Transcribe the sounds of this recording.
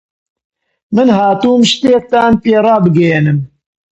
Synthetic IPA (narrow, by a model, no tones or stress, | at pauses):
mɨnɦaːt̪uːmʃt̪eːk̚t̪aːnpeːɾˤɑːbɨɡɛjenɨm